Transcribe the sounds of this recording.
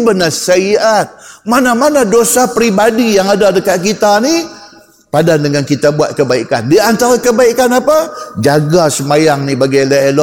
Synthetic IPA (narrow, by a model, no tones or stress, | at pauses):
bənasaiat̪̚manamanadosapɾibadijaŋadadəkat̪̚kit̪ani | padandəŋankit̪abuat̪̚kəbaikandiant̪aɾakəbaikanapad͡ʒaɡasəmajaŋnibaɡajlaelɔ